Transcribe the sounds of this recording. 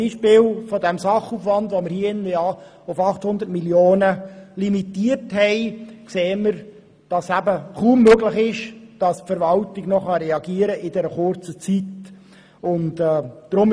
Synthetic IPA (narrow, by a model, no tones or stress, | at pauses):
iːʃpɪːlfɔdɛmsɑχuːfʋɑndʋoməɾhiːəɪndəjɑː | ʊfɑχthʊnd̪ətmiljoːnəlimitiːərthɛɪkseːməɾ | d̥ɑsæbəχuːmːøɡlɪχɪʃd̥ɑsfəɾʋɑltɪɡnɔχɑɾɛɑɡiəɾəʔɪdɛɾəχʊɾt͡sət͡sit | ʊntɛːd̥ɾʊm